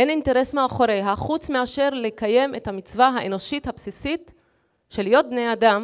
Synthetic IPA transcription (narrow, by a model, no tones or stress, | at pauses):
ʔeninte̞ʁe̞smeaχo̞ɾejɦaχut͡smeaʃe̞ʁle̞kaje̞me̞thamit͡svaɦaʔeno̞ʃithapsisit | ʃe̞ljo̞t̪̚bne̞jadam